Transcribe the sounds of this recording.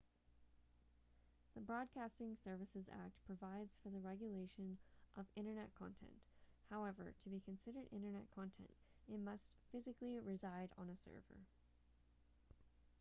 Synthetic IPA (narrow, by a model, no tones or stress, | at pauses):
ðɨbɹɔd̚kʰæstɪ̃ŋsɜ˞vɨsɨzæ̰k̚t̚pʰɹ̥ɨvaɪdz̥fə˞ðɨɹɛɡjɨleɪʃɨ̃nʔʌvɪ̃ɾ̃ə˞nɛt̚kʰɑ̰̃ntʰɛ̰̃nthaʊɛvə̰˞ɾɨbikʰɨ̃nsɪɾə˞ɾʔɪ̰̃ɾ̃ə˞nɛ̰t̚kʰɑ̃ntʰɛ̰̃nt | ɨt̚mʌstfɪzɨkliɹɪzaɪɾn̩ɨsɜ̰˞və̰˞